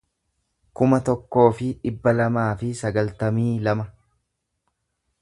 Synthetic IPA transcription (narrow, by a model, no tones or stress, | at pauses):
kʊmɐt̪ɔkːo̞ːfɪᶑɪbːɐlɐmaːfɪsɐɡɐlt̪ɐmiːlɐmɐ